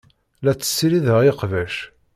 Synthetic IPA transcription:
læt͡sːə̥sːiɾiðəʁiqvæʃ

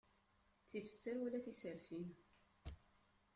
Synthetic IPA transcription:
t͡sːifə̥sːəɾwælæθisəɾfin

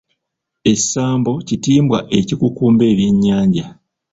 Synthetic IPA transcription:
e̞̥saːmbo̞citiːmbwaʔe̞cikukuːmbe̞ːβjeɲːaːɲɟa

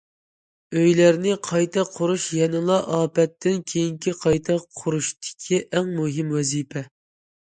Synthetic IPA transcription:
øjlæɾnɪqʰɑjt̪ʰɑqʰʊɾuʃjɛnɨlˠɑʔɑːpɛt̪ːɪnkʲʰejiŋkʲiqʰɑjt̪ʰɑqʰːʊɾuʃt̪ɪ̥kʲʰiʔɛŋmuɦɪmwɛzipʰɛ

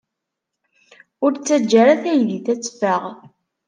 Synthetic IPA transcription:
ʊɾt͡sːæd͡ʒːaɾaθæjðiθæt͡sːfəʁ

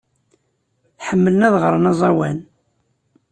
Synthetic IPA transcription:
ħəmːələnæðʁəɾˤənɑzˤɑwæn

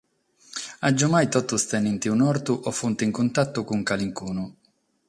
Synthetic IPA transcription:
ad͡ʒːʊmajt̪ɔt̪ːust̪ɛnːint̪iunɔɾt̪uʔɔfunt̪ɪiŋkunt̪at̪ːʊkuŋkaliŋkuːnʊ

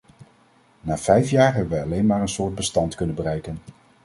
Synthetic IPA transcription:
naːv̥ɛjfjaːɹɦɛbənʋəjɑlejnmaːɹənsʊːɹd̚bəstɑntkɵnənbərɛjkən

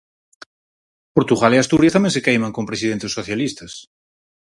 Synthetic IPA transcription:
poɾt̪uɣaliast̪uɾjat̪amjẽnsekejmãŋkompɾesiðent̪esːoθjalist̪ɐs

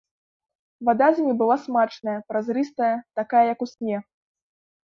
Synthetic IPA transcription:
vad̪azʲɪnʲibɨlˠasmat͡ʂnɐjɐpɾazɾɨst̪ɐjɐt̪akajɐjɐkusʲnʲɛ

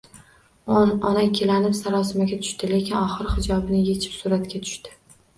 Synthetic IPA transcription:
nɒnakʲʰːelanɪpsaɾɒsɪmaɡʲat̪ʰʊ̥ʃt̪ɪle̞kʲʰɪnɒχɨɾhɪd͡ʒɒbnɪje̞t͡ʃʰɪ̥psʊɾat̪kʲat̪ʰʊ̥ʃt̪ɪ̥

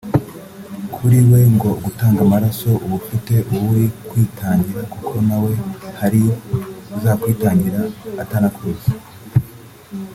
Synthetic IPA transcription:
kʰuɾiwe̞ŋɡo̞ɡutaːŋɡamaɾaso̞ʔuβufite̞ʔuβuwikwiːtʰaːɲɟiɾakukʰo̞nawe̞haɾiuzaːkwiːtaːɲɟiɾaːtanakuezḁ

